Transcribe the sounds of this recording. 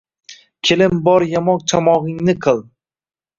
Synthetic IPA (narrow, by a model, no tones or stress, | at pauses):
kʲʰelɪmbɒɾjamɒq̚t͡ʃʰamɒʁɪŋnɪqʰɨlˠ